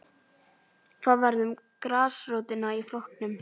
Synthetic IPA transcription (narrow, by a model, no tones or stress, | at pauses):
kθaːðvaɾðʏmkɾaːsrowt̪ɪnaiflɔhknʏm